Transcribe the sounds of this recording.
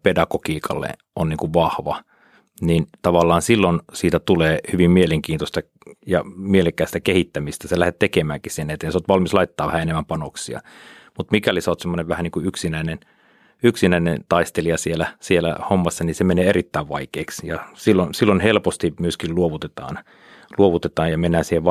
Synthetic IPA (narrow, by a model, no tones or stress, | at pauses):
pedɑkokiːkʰɑ̰lːḛ | onniːŋkuʋʋɑhʋɑ | nint̪ɑʋɑlːɑːnsilːonsiːt̪æt̪uleːhyʋimmieleŋkiːnt̪ost̪ɑ | jɑ̰mieleŋkːˑæːst̪ækehit̪ːæmist̪æselæhet̪t̪ekemæːŋkissinːet̪ːensoːt̪ʋɑlmislɑit̪ːɑːʋæhæenemːæmpɑnoksiɑ̰mut̪mikælisoːt̪semːoneʋʋæhæniːŋkuyksinæinen | yksinæinent̪ɑist̪eliɑsielæsielæ̰homːɑsːɑnisemeneːerit̪ːæiʋʋɑikeːksjɑsilːonsilːonhelpost̪imyøskilluoʋut̪et̪ɑ̰ːn | luoʋut̪et̪ɑːjjɑmenːæːnsiːheʋʋ